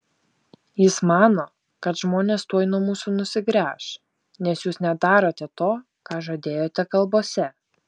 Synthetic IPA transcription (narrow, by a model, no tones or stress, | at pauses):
jɪsmɑːnoː | kɐt̪ʒmoːnʲeːst̪uɔjnuɔmuːsuːnʊsʲɪɡɾʲæːʃ | nʲɛsjuːsnʲɛd̪ɑːɾoːt̪ʲɛt̪oː | kɑːʒoːd̪ʲeːjoːt̪ʲɛkɐlˠboːsʲɛ